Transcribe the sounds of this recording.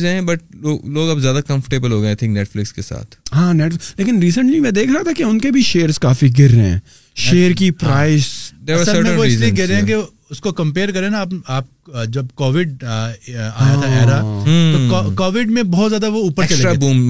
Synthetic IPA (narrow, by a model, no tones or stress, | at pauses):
zɛ̃bɐʈ̚loːloːɡɐpzjaːd̪akɐ̃mfəʈeːbəlɦoːɡɐẽaɪt̪ʰɪ̃ŋkneːʈflɪkskesa̰ːt̪ʰɦãːnɛːʈfɪleːkɪnɾiːsə̃ɳʈlimɛ̃ːd̪eːkʰɾɐɦat̪ʰakeʊnkebʱiʃeːəɾzkaːfiɡɪɾːeɦɛ̰̃ː | ʃeːəɾkipɾaːɪsd̪eːɾʋsəəɾmɛ̃ʋoɪisːzlieɡɪɾẽɦɛ̃ke | ʊskokɐ̃mpeːɾkɐɾẽnaːpaːp̚d͡ʒɐbkɔːʋɪɖ | a̰ːjat̪ʰaɛːɾaɦt̪okɔːʋɪɖmẽbɔɦːt̪zjaːd̪aʋouːpəɾkɐlːɾabuːm